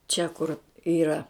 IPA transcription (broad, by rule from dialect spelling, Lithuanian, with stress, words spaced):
t͡ʃʲɛ kʊr ˈiːrɐ